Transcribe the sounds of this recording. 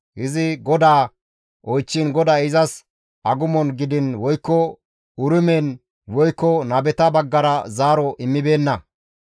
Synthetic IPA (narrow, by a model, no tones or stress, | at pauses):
hɪzɪɡɔd̪aː | ʔɔjt͡ʃːɪnɡɔd̪aːɪzɐs | ɐɡʊmɔnɡɪd̪ɪnwɔjkːɔ | ʊɾɪmeːn | wɔjkːɔnɐbɛt̪ɐbɐɡːɐɾɐzaːɾɔʔɪmːɪbe̞ːnːɐ